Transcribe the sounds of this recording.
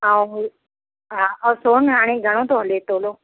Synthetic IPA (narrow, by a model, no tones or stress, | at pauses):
awɦu | ɦaəsonaɽ̃iɡʱəɽ̃õt̪oɦlet̪olo